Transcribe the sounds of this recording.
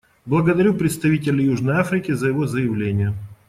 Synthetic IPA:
blˠəɡəd̪ɐɾʲupɾʲɪt̪st̪ɐvʲitʲɪlʲɪjuʐnəjafɾʲɪkʲɪzəjɪvo̞zəjɪvlʲenʲɪjə

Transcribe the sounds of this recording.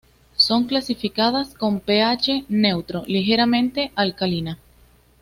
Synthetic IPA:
so̞ŋklasifikaðasko̞mpe̞at͡ʃe̞ne̞wt̪ɾo̞lixe̞ɾamẽ̞nt̪e̞ʔalkalina

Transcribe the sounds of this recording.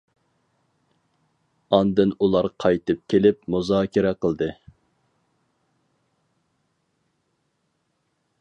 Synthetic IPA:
ɑnd̪ɨnulˠɑɾqʰɑjt̪ɨp̚kʲʰelɪpmuzɑːkʲɪɾɛqʰəlˠd̪ɨ

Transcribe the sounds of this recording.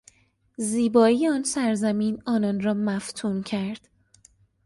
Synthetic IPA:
ziːbɒːiːjeɒːnsæɾzæmiːnɒːnɒːnrɒːmæft̪ʰuːncʰæɾd̪̥

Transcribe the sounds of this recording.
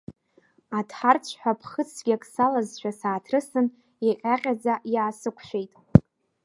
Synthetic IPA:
atʰħart͡sʷʰħʷᶣapʰχət͡sʰɡʲakʼsalazʃᶣasaːtʰrɨsɨn | aqʲʼaqʲʼad͡zajaːsɨkʷʰʃʷᶣejtʼ

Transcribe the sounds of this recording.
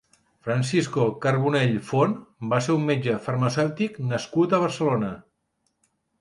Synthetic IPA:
fɾənsiskokəɾβuneʎfonbaseɾumːed͡ʒəfərməsɛwt̪iknəskut̪əβ̞ərsəlonə

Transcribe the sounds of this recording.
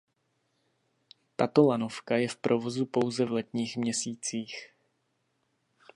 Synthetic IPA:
t̪at̪o̞lanofkajɛfpɾʔovo̞zupo̞wzɛvlɛt̪ɲiːxmɲɛsiːt͡siːx

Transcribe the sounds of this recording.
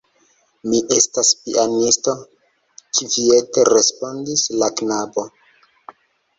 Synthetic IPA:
miʔe̞staspḭʔanisto̞ | kivie̞teɾespo̞ndislaknabo̞

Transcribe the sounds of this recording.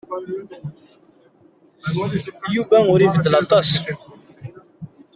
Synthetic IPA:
juvæʊɾivəd̪ːəlɑt̪ˤɑs

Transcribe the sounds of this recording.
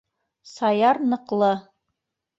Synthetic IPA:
sɑjɑɾnɤ̆qlˠɤ

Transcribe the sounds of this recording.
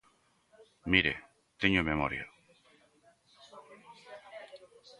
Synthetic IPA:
miɾḛ | t̪eɲomemoɾja̰

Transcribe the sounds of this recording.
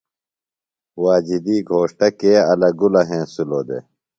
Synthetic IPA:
waːd͡ʑid̪iːɡʱoːʂʈɐkeːɐlɐɡulɐɦẽːsuloːd̪ḛ

